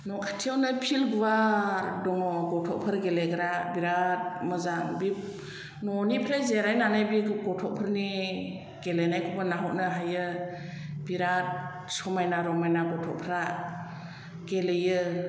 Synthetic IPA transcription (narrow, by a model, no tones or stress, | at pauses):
nɔkʰatʰiawnɯpʰilɡuwadɔŋɔɡɔtʰɔk̚pʰɯɾɡeleɡɾabiɾat̚mɯzaŋbi | nɔnipʰɾazeɾajnanajbiɡɔtʰɔk̚pʰɯɾni | ɡ̥elenajkʰɔbɯnaɦɔt̚nɯɦajɯ | biɾat̚ | sɔmajnaɾɔmajnaɡɔtʰɔ̰k̚pʰɾa | ɡelɯjɯ